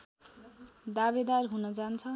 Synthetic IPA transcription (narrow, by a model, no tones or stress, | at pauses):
d̪abed̪arɦunʌd͡zant͡sʰʌ